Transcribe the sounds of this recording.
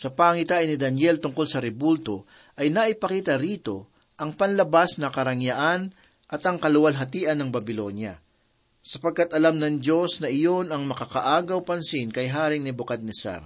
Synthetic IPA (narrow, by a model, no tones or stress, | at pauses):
sɐpaːŋɪt̪aːʔjnɪd̪ɐnjɛlt̪ʊŋkolsɐɾɛbult̪o̞ | ʔɐjnɐʔɪpɐkiːt̪ɐɾiːt̪o̞ | ʔɐŋpɐnlɐbasnɐkɐɾɐŋjaʔan | ʔɐt̪ɐŋkɐlʊwalɦɐt̪iːʔɐnːɐŋbɐbɪlo̞njɐ̰ | sɐpɐɡ̚kat̪ʔɐlamnɐŋd͡ʒo̞snɐʔɪjo̞nɐŋmɐkɐkɐʔaːɡɐwpɐnsɪnkɐjɦaːɾɪŋnɪbʊkat̪̚nɪsa̰ɾ